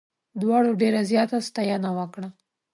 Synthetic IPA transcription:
d̪wɑɽoɖeɾazjɑt̪ast̪ɑjɑnawəkɽa

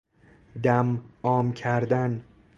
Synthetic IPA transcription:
d̪æmɒːmcʰæɾd̪æn

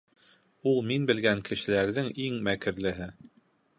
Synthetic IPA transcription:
ulˠminbɘ̆lɡæŋkɘ̆ʃɘ̆læɾðɘŋiŋmækɘ̆ɾlɘ̆ɦɘ

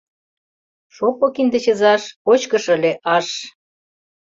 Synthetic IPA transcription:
ʃopokind̪ə̆t͡ɕə̆zɑʃkot͡ɕkə̆ʃə̆lʲeʔɑʃ

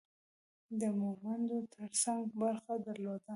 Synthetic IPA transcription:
d̪əmumand̪ot̪ʰəɾsaŋɡbaɾxad̪aɾlod̪a

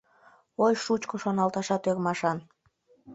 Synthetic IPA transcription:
ojʃut͡ɕkoʃonɑlˠt̪ɑʃɑt̪øɣmɑʃɑn

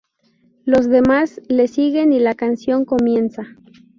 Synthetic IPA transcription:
lo̞zðe̞masle̞siɣe̞nilakansjo̞ŋko̞mje̞nsa

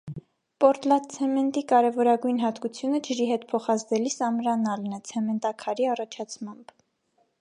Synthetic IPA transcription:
pɔɾt̪lɑt̪̚t͡sʰɛmɛnt̪ikɑɾɛvɔɾɑɡujnɦɑt̪kut͡sʰjunəd͡ʒəɾiɦɛt̪̚pʰɔχɑzd̪ɛlisɑmɾɑnɑlnət͡sʰɛmɛnt̪ɑkʰɑɾiɑrɑt͡ʃʰɑt͡sʰmɑmb

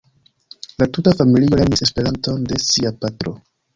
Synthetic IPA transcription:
latutafamilio̞lenise̞spe̞ɾanto̞nde̞siapatɾo̞̰

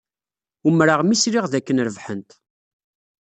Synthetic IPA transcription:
umɾaʁmisɾiʁðækːənɾəvħənt̪

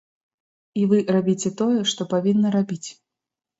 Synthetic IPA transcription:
ivɨrabʲit͡sʲɛt̪ɔjɛʂt̪ɔpavʲinːɐɾabʲit͡sʲ

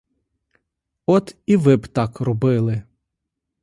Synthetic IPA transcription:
ɔt̪iʋɪbt̪ɑkrɔbɪlˠɪ

